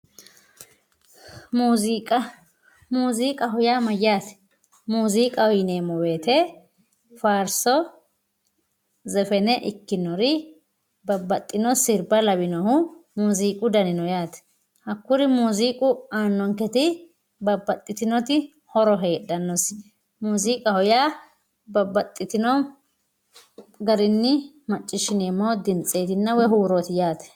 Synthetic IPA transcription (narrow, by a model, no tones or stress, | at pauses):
muːzikʼɐ | muːziːkʼɐɦʊjaːmɐjːaːt̪ | muːziːkʼɐɔjneːmɔweːt̪ɛ | faːɾsɔ | zɛfɛnɛʔɪkːɪnɔɾɪ | bɐbːɐt̪ʼːɪnɔsɪɾbɐlɐbɪnɔhʊmuziːkʼʊd̪ɐnɪnɔjaːt̪ɛ̥ | hɐkːʊɾɪmuziːkʼʊaːnːɔŋkɛt̪ɪ | bɐbɐt̪ʼːɪt̪ɪnɔt̪ɪ | hɔɾɔɦe̞ːdɐnːɔs | muːziːkʼɐhɔjaː | bɐbɐt̪ʼːɪt̪ɪnɔ | ɡɐɾɪnːɪ | mɐt͡ʃʼːɪʃɪneːmːoːd̪ɪnt͡sʼeːt̪ɪnːɐwɛɦuːɾɔt̪ɪjaːt̪ɛ̥